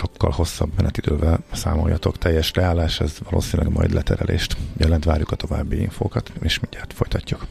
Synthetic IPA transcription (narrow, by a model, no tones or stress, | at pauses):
ʃo̞kːɒlho̞sːɒbmɛnɛt̪id̪øːvɛlsa̰ːmo̞jːɒt̪o̞kt̪ʰɛjːɛʃrɛaːlaːʃɛzʋɒloːsinilɛɡmɒjd̪lʔɛt̪ʰɛɾɛlʔeːʃt̪jɛlɛnt̪ʋa̰ːɾjukɒt̪o̞vaːbːiiɱfoːkɒt̪eːʃmiɲɟaːrt̪fo̞jt̪ɒcːuk